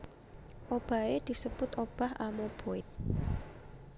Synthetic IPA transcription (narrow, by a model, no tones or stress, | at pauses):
ʔob̥a̤ed̪̥i̤səb̥ʊt̪ob̥a̤ha̰mob̥oɪt̪̚